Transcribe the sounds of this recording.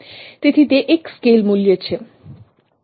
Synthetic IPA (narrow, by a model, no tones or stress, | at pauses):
t̪it̪ʰit̪eʔekskelmulijet͡ɕʰe